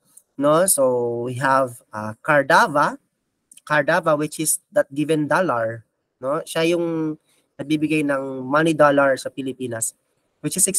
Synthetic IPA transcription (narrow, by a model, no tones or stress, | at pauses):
nosowiɦɐv | akɐɹd̪avɐ | kɐɹd̪avɐwɪt͡ʃɪsd̪ɐt̪̚ɡɪvɛnd̪olɐɹ | noʃajʊŋ | nɐɡ̚bibɪɡajnɐŋmanid̪olɐɹsɐpɪlɪpiːnɐs | wɪt͡ʃɪsɛks